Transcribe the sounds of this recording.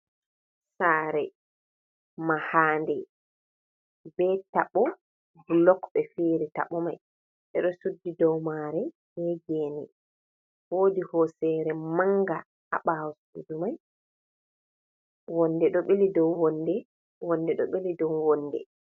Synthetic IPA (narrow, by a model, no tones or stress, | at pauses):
saːɾɛ | mahaːndɛ | bɛtaɓɔ | blɔkɓɛfeːɾita̰ɓɔmaj | ʔɛɗɔsudːidɔwmaɾɛ | ɛd͡ʒenɛ | woːdihɔsɛɾɛmaŋɡa | a̰ɓawɔsudumaj | wɔnːdɛɗɔɓelidɔwwɔndɛ | wɔnːdɛɗɔɓelidɔwwɔnːdɛ̰